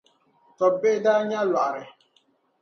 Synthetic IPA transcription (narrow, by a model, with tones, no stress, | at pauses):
tɔ˨be˦da˦ɲa˦lwa˨ɾɪ˨